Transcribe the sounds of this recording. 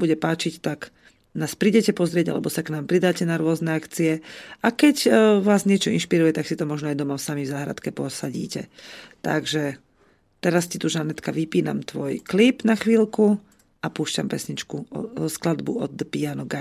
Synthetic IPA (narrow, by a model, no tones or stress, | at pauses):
buɟɛpaːt͡ʃict̪ak | naːspɾiːɟɛcɛpɔzɾɪɛɟa̰lɛ̰bɔsaknaːmpɾid̪aːcɛnaɾʊɔznɛakt͡siɛakɛɟʋaːzɲɪɛt͡ʃɔinʃpiɾujɛt̪aksit̪ɔmɔʒnɔajd̪ɔmafsamivzaːɦɾa̰t̪kɛpɔsaɟḭːcɛ̰t̪a̰ɡʒɛ | t̪ɛɾascit̪uʒanɛt̪kaʋipiːna̰mt̪ʋɔjklipnaxʋiːlku | apuːʃcampɛsɲit͡ʃkuɔ̰sklad̪buɔ̰d̪pianɔɡa